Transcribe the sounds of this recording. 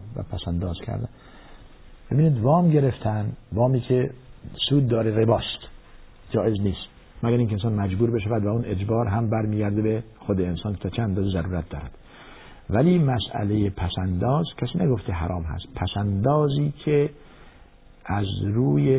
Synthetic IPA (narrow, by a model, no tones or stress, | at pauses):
væ̰pʰæsænd̪ɒːz̥kʰæ̰ɾd̪æ̰n | b̥e̞biːniːd̪vɒːmɟe̞ɾeft̪ʰænvɒːmiːkʰesuːd̪̚ːɒːɾeɣebɒːst̪ | d͡ʒɒːʔe̞zniːst̪ | mæɡæɾiŋkʰensɒːnmæd͡ʒbuːɾbe̞ʃævæd̪væune̞d͡ʒbɒːɾɦæmbæɾmiːɡæɾd̪ebexod̪eensɒːnkt̪ʰɒːt͡ʃʰeænd̪ɒːzezæɾuːɾæt̪̚d̪ɒːɾæd̪̥ | væliːmæsʔæ̰lejepʰæsænd̪ɒːzkʰæsiːnæɡoft̪ʰeɦæɾɒːmɦæ̰st̪pʰæsænd̪ɒːziːkʰe | ʔæzɾuːje